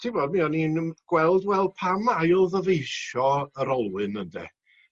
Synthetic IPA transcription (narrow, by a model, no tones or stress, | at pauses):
tʰibɔd̚miɔninɡ̥wɛlˠdwɛlˠd̚pʰamajlˠðəvejʃɔəɾɔlˠwɨnəndɛ̰